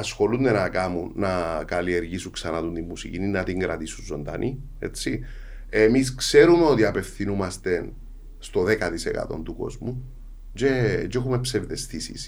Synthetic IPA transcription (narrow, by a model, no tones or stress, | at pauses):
ɐsxo̞lund̪enɐkɐmunːɐkɐlie̞ɾʝisuŋksɐnɐt̪unt̪imːusicininːɐt̪iŋɡɾɐt̪isunzo̞nd̪ɐ̰nʔi | e̞̰t͡sːi | emiskse̞ɾume̞o̞t̪iɐpe̞fθinumɐst̪e̞n | st̪o̞ðekɐt̪isḛkɐ̰t̪o̞̰nt̪uko̞̰zmu | d͡ʒe̞t͡ʃexumepse̞vðe̞st̪isḭs